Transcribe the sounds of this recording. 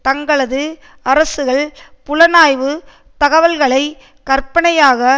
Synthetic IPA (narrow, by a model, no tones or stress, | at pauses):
t̪ɐŋɡɐɭɐðɯ | ɐɾɐsɯɣɐɭpʊlɐnaːjʋɯ | t̪ɐɣɐʋɐlɣɐɭɐɪ | kɐrpɐɳɐjaːɣɐ